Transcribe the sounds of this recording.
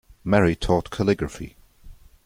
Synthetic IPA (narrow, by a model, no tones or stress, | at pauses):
mɛɹitʰɔːˑʔkʰəlɪɡɹəfḭ